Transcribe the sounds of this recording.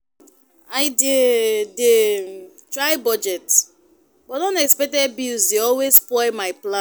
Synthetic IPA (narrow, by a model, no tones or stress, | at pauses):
aɪdede | tɹaɪbɔd͡ʒɛt | bɔtdõntɛkspɛk̚tɛbizdeɔlwespɔɪmaɪplã